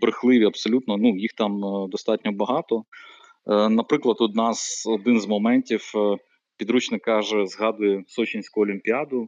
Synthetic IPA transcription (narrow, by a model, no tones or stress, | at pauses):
bɾɪxlˠɪʋʲiɐbsɔlʲut̪nɔnujixt̪ɑmd̪ɔst̪ɑtʲnʲɔbɐɦɑt̪ɔ | nɐpɾɪklˠɐt̪ɔd̪nɑsɔd̪ɪnzmɔmɛnʲtʲiw | pʲid̪ɾut͡ʃnɪkɑʒɛzɦɑd̪ʊjɛsɔt͡ʃinʲsʲkʊɔlʲimʲpʲiɑd̪ʊ